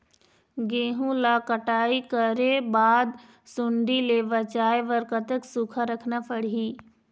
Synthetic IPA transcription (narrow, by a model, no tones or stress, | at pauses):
ɡẽːɦũlakəʈaːikəɾebaːd̪ | sʊɳɖileːʋət͡ʃaːeʋəɾkət̪əksukʰaɾəkʰnapʰəɽ̤iː